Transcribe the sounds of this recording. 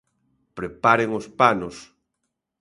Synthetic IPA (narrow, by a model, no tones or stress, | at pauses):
pɾepaɾeŋospanos